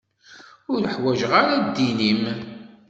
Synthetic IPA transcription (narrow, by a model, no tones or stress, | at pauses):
ʊɾəħwæʒʁaɾad̪ːinim